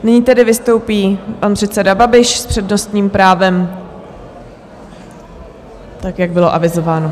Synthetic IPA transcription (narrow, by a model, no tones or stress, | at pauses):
nɪɲiːt̪ɛdɪvɪst̪o̞wpiːpanpr̥ɛt̪sɛdababɪʃspr̝̥ɛdno̞st̪ɲiːmpɾaːvɛm | t̪akjaɡ̚bɪloʔavɪzo̞vaːno